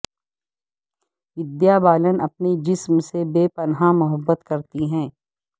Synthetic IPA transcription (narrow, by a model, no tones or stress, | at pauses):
ɪd̪jabaːlənɐpned͡ʒɪsmsebeːpɐnɦamʊɦəbːət̪kɐɾt̪iɦɛ̃ː